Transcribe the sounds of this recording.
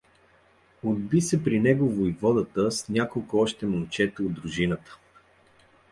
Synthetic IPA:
od̪̚bisɛpɾinɛɡovoijvɔd̪ət̪əsnʲakolˠkʊɔʃt̪ɛmont͡ʃɛt̪od̪ɾʊʒinət̪ə̥

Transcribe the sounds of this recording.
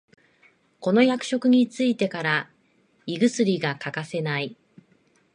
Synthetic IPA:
ko̞no̞jakɯ̟̥ɕo̞kɯ̟ɲ̟it͡sɨit̪e̞kaɾa | iɡɯ̟sɨɾʲiɡakakase̞nai

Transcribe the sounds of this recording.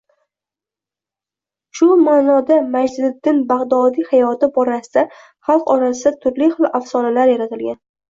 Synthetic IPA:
ʃʊmaːnɒd̪amad͡ʒd̪ɪd̪ːɪnbaʁd̪ɒd̪ihajɒt̪ʰɪbɒɾasɪd̪a | χɑlˠqɒɾas̬ɪd̪at̪ʰʊɾliχɨlˠafsɒnalaɾjaɾat̪ʰɪlɡʲan

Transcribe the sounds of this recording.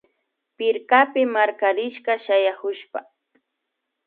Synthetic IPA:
pɪɾkapɪmaɾkaɾɪʃɢɑʃajahʊʃpa

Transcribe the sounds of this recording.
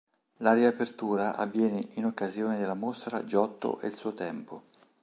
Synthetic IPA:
lariapert̪uːɾaʔa̰vːjɛːneinokːazjoːned̪elːamost̪ɾa̰d͡ʒɔt̪ːo̰ʔḛlsuːot̪ɛmpo

